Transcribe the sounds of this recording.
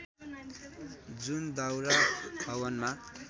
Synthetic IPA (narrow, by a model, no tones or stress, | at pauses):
d͡zund̪awɾab̥ʱʌwʌnma